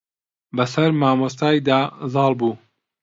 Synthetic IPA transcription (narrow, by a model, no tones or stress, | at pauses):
bɐsɐɾmaːmost̪aːjd̪aːzɑːlˠbuː